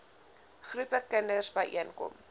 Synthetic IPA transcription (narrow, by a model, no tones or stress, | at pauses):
χrupəkənərsbɐjʔiənkɔ̰m